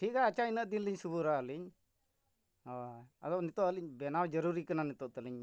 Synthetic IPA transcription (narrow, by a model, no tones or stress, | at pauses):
ʈʰikaːt͡ʃainəʔd̪inliɲsubuɾaəliɲ | ad̪ɔʔnit̪ɔʔəliɲbɛnawd͡ʒəɾuɾikananit̪ɔʔt̪ɛliɲ